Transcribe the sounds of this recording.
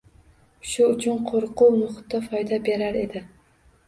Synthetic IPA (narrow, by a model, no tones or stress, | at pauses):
ʃʊʊt͡ʃʰʊnqʰoɾqʊwnʊχʊt̪ːafɒjd̪abe̞ɾaɾe̞d̪ɪ